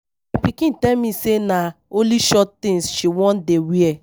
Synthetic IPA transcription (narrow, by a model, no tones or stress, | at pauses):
pikĩn̩tɛmĩsenaoliʃɔttĩsʃiwɔ̃n̩dewiɛ